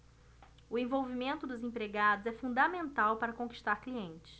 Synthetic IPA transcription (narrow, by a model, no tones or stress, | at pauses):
ʊẽvowvimẽnt̪ʊd̪ʊzẽpɾeɡad̪ʊzɛfũnd̪amẽnt̪awpaɾɐkõki̥ʃt̪aɾkliẽnt͡ʃɪ̥s